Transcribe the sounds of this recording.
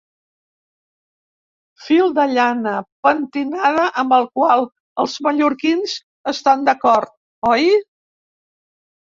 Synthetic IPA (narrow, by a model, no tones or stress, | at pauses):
filˠd̪əʎanəpənt̪inaðəʔəmbəlˠkwalˠ | əlˠzməʎuɾkinz | əst̪and̪əkɔɾt̪̚ | ɔj